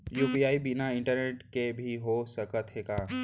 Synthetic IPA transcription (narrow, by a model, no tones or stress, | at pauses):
juːpiaːibinaɪ̃ɳʈəɾneːʈkebʱiɦosəkət̪ɦeːɡaː